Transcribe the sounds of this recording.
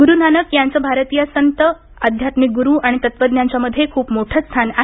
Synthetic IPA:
ɡuɾunanəkjaɲt͡səbʱaɾət̪ijəsənt̪ə | əd̪ʱjat̪mik̚ɡuɾuʔaɽ̃it̪ət̪ʋəd̪njaɲt͡ɕjaməd̪ʱːjekʰuːpmoʈʰəst̪ʰana

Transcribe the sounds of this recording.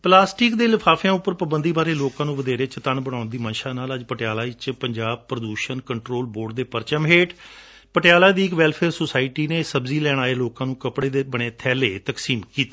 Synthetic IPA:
plaːsʈɪkd̪eːlɪpʰaːfʰjãːʊpːəɾpəbənd̪iːbaːɾeːloːkãːnũːʋəd̪eːɾeːt͡ʃət̪ənbəɽ̃ãːʊnd̪iːmənʃãːnaːləd͡ʒpəʈɪjaːlaːɪt͡ʃpəɲd͡ʒaːb̚pɾəd̪uːʃənkəɳʈɾoːlboːɾɖd̪eːpəɾt͡ʃəmɦeːʈ | pəʈɪjaːlaːd̪iːɪkʋɛlpʰɛːɾsoːsaːɪʈiːneːsəbziːlɛːɽ̃aːeːloːkãːnũːkəpɽeːd̪eːbəɽ̃eːt̪ʰɛːleːt̪əksiːmkiːt̪e

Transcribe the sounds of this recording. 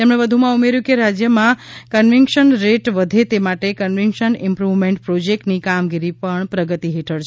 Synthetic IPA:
t̪emɳeʋəd̪ʱumãumeɾjũkeɾad͡ʒjəmãkənʋɪŋkʃənɾeʈʋəd̪ʱet̪emaʈekənʋiŋkʃənɪmpɾuʋmẽɳʈpɾod͡ʒek̚ʈnikamɡiɾipəɳpɾəɡət̪iɦeʈʰəɾt͡ʃʰ

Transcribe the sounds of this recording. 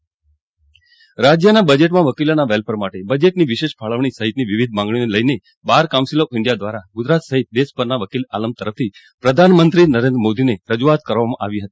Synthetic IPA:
ɾad͡ʒjənabəd͡ʒeʈmãʋəkilonaʋɛlpəɾmaʈebəd͡ʒeʈniʋiʃeʃpʰaɭəʋɳ̃isəɦit̪̚niʋiʋid̪ʱmãŋɡɳ̃ineləjne | baɾkaʊ̃siloɪɳɖijad̪ʋaɾaɡʊd͡ʒɾat̪səɦit̪̚d̪espəɾnaʋəkilaləmt̪əɾəft̪ʰi | pɾəd̪ʱanmənt̪ɾinəɾẽnd̪ɾəmod̪ineɾəd͡ʒuat̪kəɾʋamãʔa̰ʋiɦət̪i̥

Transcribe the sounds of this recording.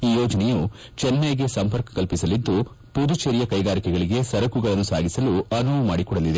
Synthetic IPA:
iːjɔːd͡ʒɐnɛju | t͡ʃɛnːɐɡe̞sɐmpɐɾkɐ̥kɐlpisɐlid̪ːu | pud̪ut͡ʃɐɾijɐkɐjɡaːɾikɛɡɐɭiɡe̞sɐɾɐkuɡɐɭɐnːusaːɡisɐluɐnuʋɐmaːɽikɔɽɐlid̪e

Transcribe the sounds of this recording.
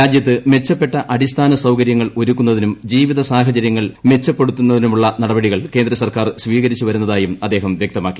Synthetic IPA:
aːd̪jɐt̪ːɨme̞t͡ɕːɐpːe̞ʈːɐʔɐɽist̪ʰaːnɐsɐwkɐɾjɐŋːɐɭoɾukːunːɐðinumd͡ʑiːʋiðɐsaːɦɐt͡ɕɐɾjɐŋːɐɭme̞t͡ɕːɐpːe̞ɽut̪ːunːɐðinumuɭːɐnɐɽɐbɐɽiɣɐɭke̞nd̪ɾɐsɐrkaːrsʋiːɣɐɾit͡ɕːuʋɐɾunːɐðaːjumɐd̪ːe̞ːɦɐmʋjek̚t̪ɐmaːkːi̥

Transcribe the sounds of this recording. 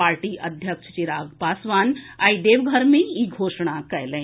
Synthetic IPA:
aːɾʈiʔɐd̪ʱjəkʃət͡ʃiɾaːɡbaːsʋaːnaid̪eːʋɡʱəɾmẽiɡʱoːʃɽakɛɦlɛ̃

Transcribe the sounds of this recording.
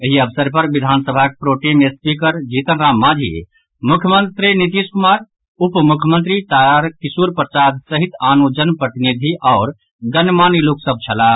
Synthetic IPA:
eɦiəbʰsəɾpəɾʋid̪ʱaːnsəbʱak̚pɾoːʈimespikəɾd͡ʒit̪ənɾaːmːad͡ʒʱḭ | mukʰjəmənt̪ɾinit̪iskumaːɾ | upmukʰjəmənt̪ɾit̪aɾkisuɾpɾət͡ʃad̪səɦit̪aːnud͡ʒənpɾət̪inid̪ʱiʔɔːɾ | ɡənmaːniloksəb̚ʱt͡ʃʰəla

